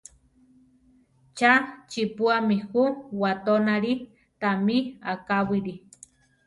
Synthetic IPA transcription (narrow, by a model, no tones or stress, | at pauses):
t͡ʃat͡ʃipuamihuwat̪onaɾi | t̪amiakawiɾi